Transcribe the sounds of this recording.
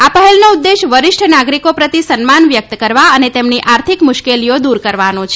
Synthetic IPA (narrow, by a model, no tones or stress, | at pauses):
apəɦɛlnoud̪ːeʃʋəɾɪʃʈʰnaɡɾikopɾət̪isənmanʋjək̚t̪kəɾʋaənet̪emniʔaɾt̪ʰikmʊʃkelijod̪uɾkəɾʋanõt͡ʃʰe